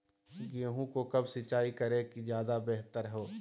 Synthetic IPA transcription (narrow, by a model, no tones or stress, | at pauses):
ɡeːɦũkokɐbsɪt͡ʃaːikɐɾẽkizjaːd̪abeɦt̪əɾɦoː